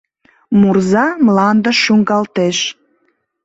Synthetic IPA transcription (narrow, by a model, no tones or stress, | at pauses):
murzɑmlɑnd̪əʃuŋɡɑlt̪eʃ